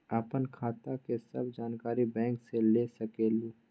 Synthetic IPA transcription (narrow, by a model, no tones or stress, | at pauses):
əpənkʰaːt̪akesɐbd͡ʒaːnkaːɾibɛ̃ːŋkselesɐkeːluː